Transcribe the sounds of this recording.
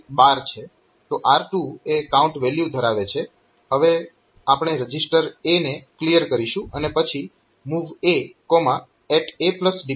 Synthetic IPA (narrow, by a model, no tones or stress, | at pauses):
baɾt͡ʃʰe | t̪oʔaɾʈuekaũɳʈʋeljud̪ʱəɾaʋet͡ʃʰe | ɦəʋe | apɽ̃eɾəd͡ʒisʈəɾeneklijəɾkəɾiʃũənepət͡ʃʰi | muʋekomã | ɛʈepləsɖi